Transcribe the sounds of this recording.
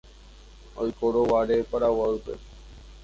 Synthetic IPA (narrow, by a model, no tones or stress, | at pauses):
ojkoɾoʋaɾepaɾawaɨpḛ